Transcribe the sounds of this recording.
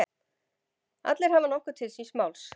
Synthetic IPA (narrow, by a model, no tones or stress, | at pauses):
a̰t̪lɛɾ̥ɦavanɔhkʏ̥t̪ʰɪlsinsmaːwls